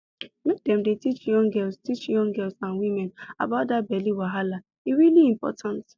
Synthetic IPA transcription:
mek̚dɛ̃mdetit͡ʃjɔ̃ŋɡɛlstit͡ʃjɔ̃ŋɡɛlsãnwimɛ̃na̰baʊt̚dat̚bɛliwaɦala | iɹiliĩmpɔ̰tʰãnt

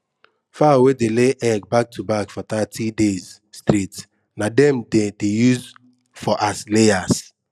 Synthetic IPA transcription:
fawedeleʔɛɡ̚bak̚tʰubakfɔt̪atʰidez | stɾit | nadɛ̃mdedejuz | fɔʔasleas

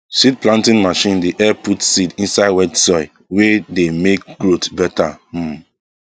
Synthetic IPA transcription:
sid̚plãntĩnmaʃĩndeʔɛputsidĩnsaɪwɛdsɔɪ | wedemek̚ɡɹotbɛta

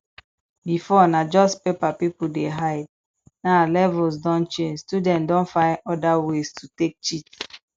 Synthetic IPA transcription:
bifɔnad͡ʒɔstpepapipudeɦaɪd̚ | nalɛvɔlsdɔ̃nt͡ʃẽnd͡ʒstudɛ̃ntdɔ̃nfãɪ̃nɔdawestʰutek̚t͡ʃit

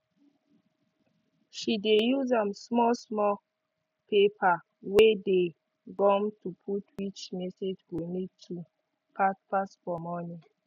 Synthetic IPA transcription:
ʃidejuzãmsmɔsmɔ | pʰepʰa | wede | ɡɔ̃mtupʰutʰwit͡ʃmɛsed͡ʒɡunitʰu | pʰatpasfɔmɔnĩ

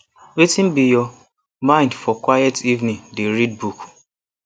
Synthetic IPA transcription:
wetin̩bijɔ | mãɪ̃ndfɔkwajɛtʰivnĩŋdeɾid̚buk

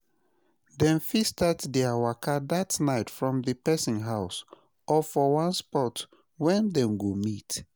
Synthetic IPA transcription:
dɛ̃nfistaddiawakadatnaɪtfɹɔ̃mðɨpɛsĩnɦaʊs | ɔfɔwãnspɔt | wɛ̃ndɛ̃mɡomit

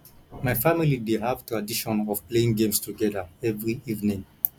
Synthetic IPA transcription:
maɪfamilideɦavtuadiʃɔ̃nɔv̥pleĩŋɡẽmstʰuɡɛðaɛvɹiivnĩŋ

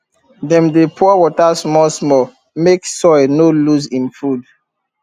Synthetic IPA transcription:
dɛ̃mdepʰuɔwɔtasmɔsmɔ | meksɔɪnoluzĩnfud

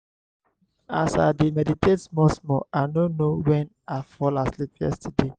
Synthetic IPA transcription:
a̰sa̰demɛditʰetmɔsmɔ̰anonowɛn | afɔlaslipjɛ̰stʰide

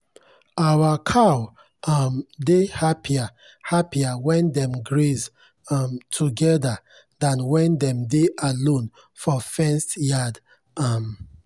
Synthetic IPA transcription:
awakʰaw | ʌmdehapʰia | hapiawɛ̃ndɛ̃mɡɹez | mtʰuɡɛda | dãnwɛ̃ndɛ̃mdeʔalõn | fɔfɛ̃nstjad | am

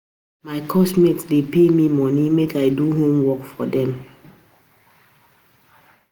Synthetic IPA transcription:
maɪkʰɔsmetsdepemimɔnimekaɪduɦõmwɔkfɔdɛ̃m

